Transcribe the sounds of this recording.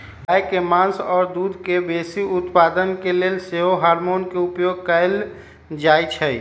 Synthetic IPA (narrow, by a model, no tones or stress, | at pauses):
jkemãnsɔːɾd̪ud̪ʱkebesiʊt̪pad̪ənkeleːlseɦoɦaːɾmoːnkeʊpjoɡ̚kəɪl | d͡ʒaːjt͡ʃʰɛ